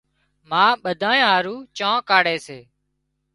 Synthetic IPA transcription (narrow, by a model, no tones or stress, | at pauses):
mãːɓəd̪ʱaːjãːɦaːɾuːt͡ʃãːkaːɽeːseː